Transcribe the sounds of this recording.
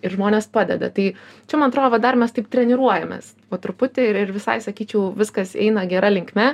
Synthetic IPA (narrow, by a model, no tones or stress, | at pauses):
ɪɾʒmoːnʲeːspɑːd̪ʲɛ̰d̪ɐ̰t̪ɐɪt͡ʃʲɛmɐnɐt̪ɾoːd̪oʋɐd̪ɐrmʲɛst̪ɐɪp̚t̪ʲɾʲɛnʲɪɾuɔjɛmʲḛːs | oːt̪ɾʊpʊt̪ʲɪɪɪɾʋʲɪsɐ̰ɪsɐkʲiːt͡ʃʲɛʊʋʲɪskɐsɛ̰ɪnɐɡʲɛɾɐlʲɪŋkmʲɛ